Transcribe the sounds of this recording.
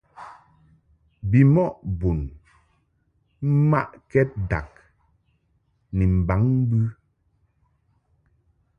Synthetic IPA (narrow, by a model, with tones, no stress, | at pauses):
bi˨mɔ˦ʔbo˨n | m̩˦ma̰˦ʔkɛ˦t̚da̰˨k̚ | ni˨m̩˨ba˨˦ŋm̩˦bʉ˦